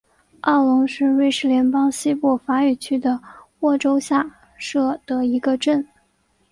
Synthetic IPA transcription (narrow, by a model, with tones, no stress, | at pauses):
ɑ˥˩ʊlʊ˧˥ŋʂɻ̩˥˧we˥˧ɪʂɻ̩˥˩ljɛ˧˥npɑ˥ŋɕi˥pɔ˥˩fa˧˥y˨˩t͡ɕʰy˥d̪ə˨wɔ˥˩ʈ͡ʂo˥ʊɕja˥˧ | ʂɤ˥˩t̪ə˧˩i˧˥ɡə˧ʈ͡ʂə˥˩n